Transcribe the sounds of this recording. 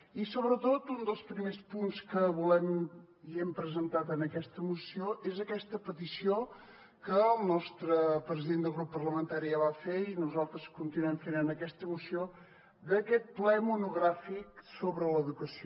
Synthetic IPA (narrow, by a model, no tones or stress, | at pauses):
isoβɾət̪ot̪und̪əlˠspɾimespunskəβulɛm | iɛmpɾəzənt̪at̪ənəkɛst̪əmusioezəkɛst̪əpət̪isio | kəːlˠnɔst̪ɾəpɾəziðend̪əlˠɣɾupːərləmənt̪aɾiəβafeinuzalˠt̪ɾəskunt̪inuɛmfenənəkɛst̪əmusijo | d̪əkɛt̪̚plɛmunuɣɾafiksoβɾələðukəsio